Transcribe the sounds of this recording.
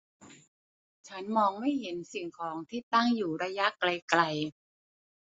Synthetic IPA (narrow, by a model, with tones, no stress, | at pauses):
t͡ɕʰa˦˥nmɔː˧ŋma˥˩jɦe˩˦nsi˨˩ŋkʰɔː˩˦ŋt̪ʰiː˥˩t̪a˥˩ŋjuː˨˩ɾa˧˥ja˦˥ʔkla˧jkla˧j